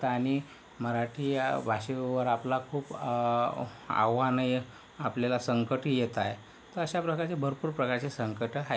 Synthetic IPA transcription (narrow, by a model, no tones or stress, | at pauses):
t̪aɽ̃i | məɾaʈʰiːbʱaɕeʋəɾaplakʰuːp | a̰ʋanəj | a̰pljalasəŋkəʈɦijet̪aj | t̪əɾəɕapɾəkaɾt͡sebʱəɾpuːɾpɾəkaɾt͡ɕesəŋkəʈɦa